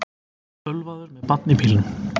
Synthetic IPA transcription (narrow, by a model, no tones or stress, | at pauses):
œlvaːðʏɾmɛðpat̪̚nɪpʰiːlɪn